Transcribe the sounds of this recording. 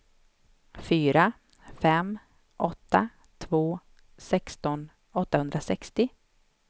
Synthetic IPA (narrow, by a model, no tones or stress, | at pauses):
fyːɾa | fɛm | ʔɔt̪ːa | t̪ʰvoː | sɛkst̪ɔn | ɔt̪ːahɵnd̪ɾasɛkst̪ɪ